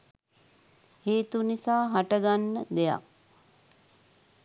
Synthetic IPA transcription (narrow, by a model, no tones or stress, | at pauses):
heːt̪unisaːɦaʈəɡanːəd̪eja̰k̚